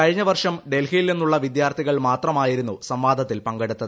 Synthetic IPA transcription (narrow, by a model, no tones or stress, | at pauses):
kɐɻiɲːɐʋɐrʂɐmɖelhijilenːuɭːɐʋid̪jaːrt̪ʰiɣɐɭmaːt̪rɐmaːjiɾunːusɐmʋaːd̪ʱɐt̪ːilpɐŋɡeɽut̪ːɐð